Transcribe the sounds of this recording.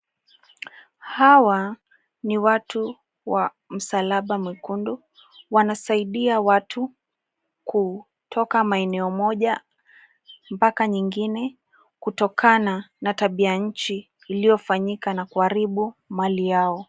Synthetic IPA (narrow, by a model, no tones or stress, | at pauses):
hawa | niwatu | wa | m̩salaɓamwikundu | wanasaiɗiawatʰu | ku | tʰɔkamaɛnɛɔmɔʄa | mpakaɲiŋɡinɛ | kutɔkʰananataɓiaɲ̩t͡ʃiː | lijɔfaɲikanakuaɾiɓumalijaɔ